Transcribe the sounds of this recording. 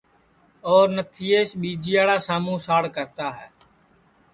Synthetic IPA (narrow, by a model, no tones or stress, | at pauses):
ɔːɾnət̪ʰiːeːʃɓiːd͡ʒiːaːɽaːsaːmũːsaːɽkəɾt̪aːɦɛː